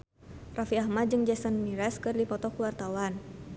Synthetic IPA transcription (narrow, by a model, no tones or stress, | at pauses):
rafiahmat̪̚d͡ʒɨŋd͡ʒɛsɔnmiɾɛskɨrdipɔt̪ɔkuwart̪awan